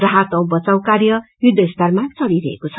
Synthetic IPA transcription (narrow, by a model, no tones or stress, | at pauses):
rʌɦat̪ʌw̃bʌt͡saw̃karjʌjud̪ʱːʌist̪armat͡sʌɽiɾʌɦḛkot͡sʰʌ